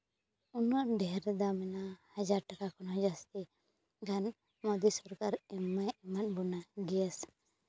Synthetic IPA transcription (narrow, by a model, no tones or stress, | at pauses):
unɔʔɖɛɾd̪amɛnahad͡ʒaɾʈakakɔnɔɦɔd͡ʒast̪ɛ | ɡʱan | mɔd̪isɔɾkaɾɛmajɛmat̪̚bɔnaɡɛas